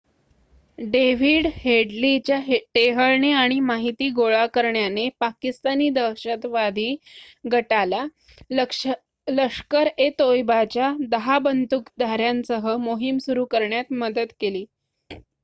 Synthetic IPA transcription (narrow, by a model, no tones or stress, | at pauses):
ɖeʋ̤iːɽheɽlit͡ɕjaeʈeɦəɭɳeaɽ̃imaɦit̪iːɡoɭakəɾɳjanepakist̪aniːd̪əwɕət̪ʋad̪ʱiː | ɡʱəʈala | ləkʂkəɾet̪ojbat͡ɕjad̪əɦabənt̪ukd̪aɾjansəɦəmoɦimsuɾuːkəɾɳjat̪məd̪ət̪keliː